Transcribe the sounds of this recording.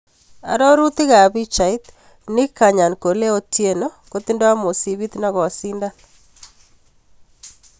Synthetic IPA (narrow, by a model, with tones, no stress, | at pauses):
a̰˨ɾɔ˦ɾu˦t̪ɪ˦ɣa˨βi˦t͡ʃa˨it̪ | nɪ˦ka˨ɲa˨nko˨le˦o˦tje˦no˦ko˦t̪i˦ndo˦a˦mo˨si˨βi˦t̪na˦ɣɔ˨si˦nda˦n